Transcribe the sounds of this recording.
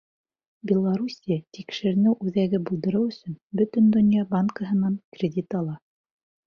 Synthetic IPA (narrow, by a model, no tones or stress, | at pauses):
bʲɪlˠaɾusʲijat̪ikʃɘ̆ɾɘ̆nɘwʔʉðæɡɘbulˠd̪ɤ̆ɾɤwɵ̆sɵnbɵ̆t̪ɵnd̪ŏnjɑbaŋkəɦɤ̆nɑnkrʲɪdʲit̪ɑlˠɑ